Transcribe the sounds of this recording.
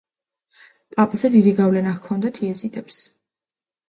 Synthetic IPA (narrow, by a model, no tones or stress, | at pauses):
pʼapʼzɛd̪id̪iɡavlɛnakʰɔnd̪at̪ʰiɛzit̪ʼɛps